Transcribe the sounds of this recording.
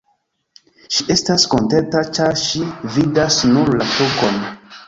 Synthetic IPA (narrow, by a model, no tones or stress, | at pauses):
ʃiʔe̞stasko̞ntentat͡ʃaɾʃividasnuɾlatoko̞n